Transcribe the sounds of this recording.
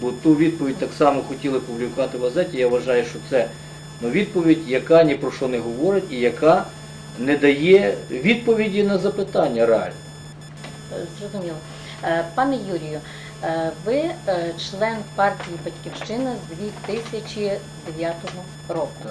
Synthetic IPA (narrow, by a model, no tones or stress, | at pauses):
bɔt̪uʋʲid̪̚pɔʋʲid̚ʲt̪ɑksɑmɔxɔtʲilˠɪpublʲikʊʋɑt̪ɪʋɐzɛtʲijaʋʋɐʒɑjʊʃt͡ʃɔt̪sɛ | nɔʋʲid̪̚pɔʋʲidʲjɐkɑnʲipɾɔʃɔnɛɦɔʋɔɾɪtʲijɐkɑ | nɛd̪ɐjɛʋʲid̪̚pɔʋʲidʲinɐzɐpɪt̪ɑnʲːɐɾeɑ̰lʲnɔ | zrɔzʊmʲilˠɔ | pɑnɛjuɾʲijʊ | ʋɪt͡ʃlˠɛnpɑrtʲijibɐtʲkʲiwʃt͡ʃɪnɐzd̪ʲʋʲit̪ɪsʲɐt͡ʃʲi | d̪eʋʲjat̪ɔɦɔ | rɔkʊ